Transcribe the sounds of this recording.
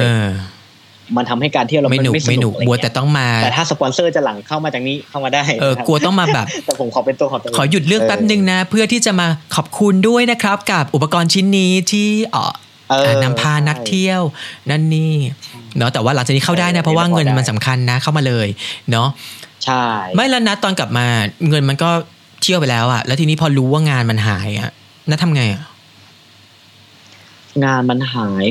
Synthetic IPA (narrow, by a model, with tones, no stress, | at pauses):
ʔɤː˧ | ma˧nt̪ʰa˧mha˥˩jkaː˧nt̪ʰi˥˩ɾma˥˩˦nuː˨˦˥ma˥˩jnuː˨˩k̚bu˨˩˦t̪ɛː˨˩t̪ɔ˥˩ŋmaː˧ɛː˨˩t̪ʰaː˥˩sa˧pɔ˧nsɤː˥˩t͡ɕa˨˩la˨˩˦ŋkʰa˥˩wmaː˧t͡ɕa˨˩k̚niː˦˥kʰa˥˩wmaː˧daː˥˩jʔɤː˧ku˧ɐt̪ɔ˥˩ŋmaː˧bɛː˨˩ptɛː˨˩pʰo˩˦mkʰɔː˩˦pe˧nt̪u˧əkʰːkʰɔː˩˦ju˨˩t̪̚ɾɯ˥˩əŋpɛ˦˥p̚nɯ˧ŋna˦˥pʰɯ˥˩ɐt̪ʰiː˥˩t͡ɕa˨˩maː˧kʰɔː˨˩p̚kʰu˧ndu˥˩əjna˦˥kʰɾa˦˥p̚ka˨˩p̚ʔu˨˩p̬̚ːa˧kɔː˧nt͡ɕʰi˦˥nːiː˦˥t̪ʰiː˥˩ʔɔ̰ː˨˩ | ʔɤː˧aː˨˩na˦˥mpʰaː˧˩na˦˥k̚t̪ʰi˥˩əwna˥˩nːiː˥˩nɔ˦˥t̪ɛː˨˩waː˥˩la˩˦t͡ɕaː˨˩ni˦˥ka˥˩wdaː˥˩jna˦˥pʰɾɔ˦˥waː˥˩ŋɤ˧nma˧nsa˩˦mkʰa˧nːa˦˥kʰa˥˩wmaː˧lɤː˧jnɔ˦˥t͡ɕʰa˥˩ma˥˩jlɛ˦˥na˦˥t̪ɔː˧nkla˨˩p̚maː˧ŋɤ˧nma˧nkɔː˥˩ | t̪ʰi˥˩əwpa˧jlɛː˦˥wʔa̰˨˩ʔlɛː˦˥t̪ʰiː˧niː˦˥pʰɔː˧ɾuː˦˥waː˥˩ŋaː˧nma˧nɦaː˩˦jʔa̰˨˩ | naː˥˩t̪ʰa˧mŋa˧jʔa˨˩ | ŋaː˧nma˧nɦaː˩˦j